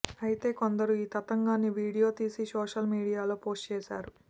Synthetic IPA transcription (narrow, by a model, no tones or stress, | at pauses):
ɐjit̪e̞ːko̞nd̪ɐɾuiːt̪ɐt̪ɐŋɡaːniʋiːɽijo̞ːt̪iːsisoːʂɐlmiːɽijaːloːpo̞ːsʈt͡ʃɛːsa̰ːɾu